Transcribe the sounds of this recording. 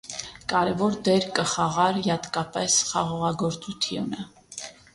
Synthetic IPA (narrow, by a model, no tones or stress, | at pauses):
kʼɑɾɛvɔɾd̪ɛɾkəχɑʁɑɾjɑt̪kɑpɛsχɑʁɔʁɑɡɔɾt͡sʼut̪ʰjunə